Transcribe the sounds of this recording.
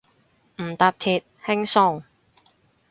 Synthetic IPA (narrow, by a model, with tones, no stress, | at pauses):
m̩˨˩t̪aː˧p̚t̪ʰiː˨t̚hɪ˥ŋsʊ˥ŋ